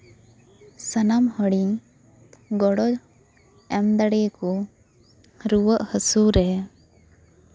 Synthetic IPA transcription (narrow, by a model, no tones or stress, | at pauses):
sənamhəɽi | ɡɔɽɔ | ɛmd̪aɽɛkɔ | ɾuwəʔhəsuɾɛa